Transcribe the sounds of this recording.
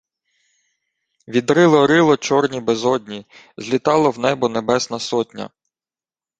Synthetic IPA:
ʋʲid̪ɾɪlˠɔɾɪlˠɔt͡ʃɔrnʲibezɔdʲnʲi | zʲlʲit̪ɑlˠɔwnɛbʊnebɛsnɐsɔtʲnʲɐ̰

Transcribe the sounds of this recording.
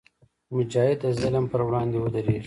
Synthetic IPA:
mʊd͡ʒɑɪd̪əzaləmpəɾwɽɑːnd̪ewəd̪ɐɾeːʐ

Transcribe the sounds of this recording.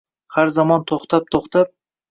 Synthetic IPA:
haɾzamɒnt̪ʰoχt̪ʰap̚t̪ʰoχt̪ʰap̚

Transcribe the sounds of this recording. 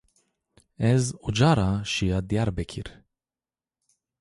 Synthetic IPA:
ɛzud͡ʒaːɾaʃijad̪ijaɾbɛkʰiɾ

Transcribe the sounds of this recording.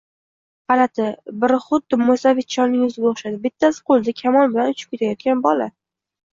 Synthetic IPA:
qɑlat̪ʰɪbɪɾɪχʊd̪ːɪmosavet̪̚t͡ʃʰɒnnːɪŋʊzɪɡʲaoχʃad̪ɪbɪt̪ʰːasɪ̥qʰolˠd̪akʲʰamɒlˠbɪlanʊt͡ʃʰɪ̥pkʲʰet̪ʰajɒt̪̚kʲanbɒla

